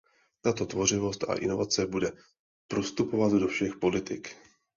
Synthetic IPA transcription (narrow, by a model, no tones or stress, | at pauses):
t̪at̪o̞t̪vo̞r̝ɪvo̞st̪a̰ʔɪ̰no̞vat͡sɛbudɛ | pɾost̪upovat̪do̞fʃɛxpo̞lɪt̪ɪk